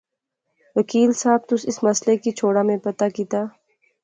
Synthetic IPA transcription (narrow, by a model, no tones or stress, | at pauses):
ʋəkiːlsaːb̚t̪ʊsɪsmɐslekit͡ʃʰoːɽamẽpɐt̪akit̪aː